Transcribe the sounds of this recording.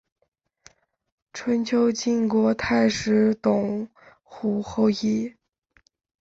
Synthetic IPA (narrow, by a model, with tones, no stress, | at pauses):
ʈ͡ʂʰwə˧˥nt͡ɕʰjo˥ʊt͡ɕi˥˩nkwɔ˧˥t̪ʰa˥˩ɪʂɻ̩˧˥t̪ʊ˨˩ŋ | xu˧˥xo˥˧ʊi˥˩